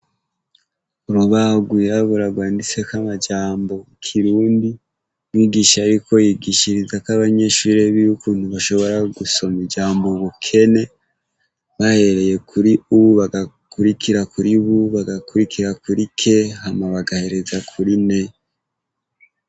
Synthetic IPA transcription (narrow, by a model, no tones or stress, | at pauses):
uɾuβaɡwuaβuɾaɡwaːndit͡se̞kamad͡ʒaːmbo̞kʰiɾuːndi | wiːɡiʃajiko̞jiːɡiʃiɾizakaβaɲe̞ʃuɾe̞βijukuːn̥huβaʃo̞βo̞ɾaɡuso̞mid͡ʒaːmbo̞βukʰe̞ne̞ | βahe̞ɾe̞je̞kʰuɾiuβaɡa | kuɾikʰiɾakuɾiβuβaɡakuɾikʰiɾakuɾikʰe̞hamaβaɡahe̞ɾe̞zakʰuɾine